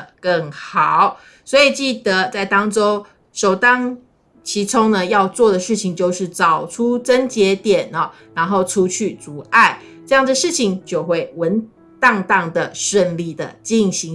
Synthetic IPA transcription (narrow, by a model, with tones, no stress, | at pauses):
kə˥˩ŋxɑ˨˩ʊ | swɔ˧˥i˨˩t͡ɕi˥˩d̪ə˦t͡sa˥˩ɪt̪ɑ˥ŋʈ͡ʂo˥˦ʊ | ʂo˨˩ʊt̪ɑ˥ŋ | t͡ɕʰi˧˥t͡sʰo˥ŋnə˨jɑ˥˧ʊt͡swɔ˥˩d̪ə˩ʂɻ̩˥˩t͡ɕʰi˨ŋt͡ɕjo˥˧ʊʂɻ̩˥˩t͡sɑ˨˩ʊʈ͡ʂʰu˥t͡sə˦˥nt͡ɕjɛ˧˥t̪jɛ˨˩nə˨˩ | na˧˥nxo˥˩ʊʈ͡ʂʰu˦t͡ɕʰy˥˩t͡su˧˥ʔa˥˩ɪʈ͡ʂɤ˥˧jɑ˥˩ŋd̪ə˩ʂɻ̩˥˩t͡ɕʰi˨˩ŋt͡ɕjo˥˧ʊxwe˥˩ɪwə˨˦n | t̪ɑ˥˧ŋt̪ɑ˥˩ŋd̪ə˩ʂə˥˧nli˥˩d̪ə̰˩t͡ɕi˥˩nɕi˧˥ŋ